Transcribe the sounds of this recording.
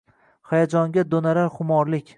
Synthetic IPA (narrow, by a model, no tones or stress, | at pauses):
χajad͡ʒɒŋɡʲad̪onaɾaɾχʊmɒɾlɪkʲ